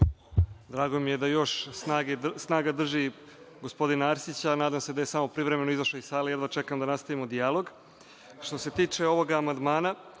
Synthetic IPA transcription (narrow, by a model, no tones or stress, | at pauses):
d̪ɾaːɡo̞mije̞d̪ajo̞ʃsnaːɡesnaːɡad̪r̩ʒi | ɡo̞spo̞d̪inaaɾsit͡ɕanaːd̪amse̞d̪ajesamo̞pɾiʋɾe̞me̞noizaʃloisaːlejed̪ʋat͡ʃe̞kamd̪anast̪aʋimod̪ialo̞ɡ | ʃt̪o̞se̞t̪iːt͡ʂe̞o̞ʋo̞ɡaːmand̪maːna